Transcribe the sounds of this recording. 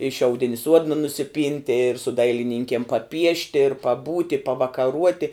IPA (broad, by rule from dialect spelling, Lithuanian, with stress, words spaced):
ɪ ʃʲɛʊˈdʲɪnʲɪ ˈsuɔdnɐ nʊsʲɪˈpʲiːnʲtʲɪ ɪr sʊ ˈdɐɪlʲɪnʲɪŋʲkʲiɛm pɐˈpʲiɛʃʲtʲɪ ɪr pɐˈbuːtʲɪ pɐʋɐkɐˈruɔtʲɪ